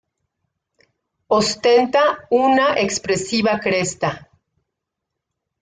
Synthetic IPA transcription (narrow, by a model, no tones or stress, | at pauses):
ost̪e̞nt̪aunaʔekspɾe̞siβakɾest̪a